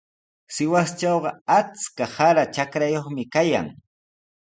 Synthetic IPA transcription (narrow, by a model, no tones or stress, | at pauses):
sɪwast͡ʃawɢɑat͡skahaɾat͡ʃakɾajoχmɪkaja̰ŋ